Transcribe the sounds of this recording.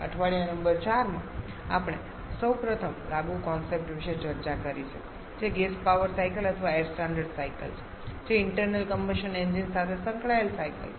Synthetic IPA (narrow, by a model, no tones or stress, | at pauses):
ə̰ʈʰʋaɭijanəmbəɾt͡ʃaɾmã | apɽ̃e | səwpɾət̪ʰəmlaɡukɔnsep̚ʈʋiʃet͡ʃəɾt͡ʃakəɾit͡ʃʰe | d͡ʒeɡespaʋəɾsajkələt̪ʰʋaeɾsʈãɳɖəɾɖsajkə̰lt͡ʃʰe̥ | d͡ʒeɪɳʈəɾnəlkəmbəʃəneɲd͡ʒinsat̪ʰesə̃ŋkɭaelsajkə̰l